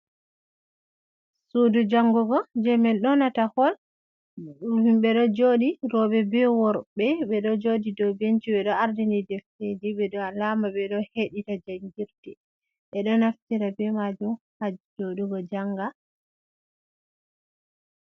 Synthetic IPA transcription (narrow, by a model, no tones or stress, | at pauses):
sudud͡ʒaŋɡɔɡɔd͡ʒɛmɛlɗɔnatahɔl | ɓɛɗɔd͡ʒoɗiɾɔɓɛbɛwɔɾɓɛɓɛɗɔd͡ʒodidɔbent͡ʃiɓɛɗɔaɾdindidɛfted͡ʒiɓɛɗɔlamaɓɛɗɔheɗitad͡ʒaɲɡiɾtɛ | ɓɛɗɔnaftiɾabɛmad͡ʒum | had͡ʒd͡ʒoɗuɡɔd͡ʒaŋɡa